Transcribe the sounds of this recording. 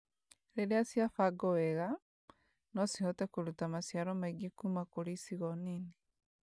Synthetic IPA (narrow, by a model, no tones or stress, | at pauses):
ɾeɾeasjafaɡɔwɛɣa | nosihɔtɛkuɾutamasjaɾomaiɡikumakuɾisiɣɔnini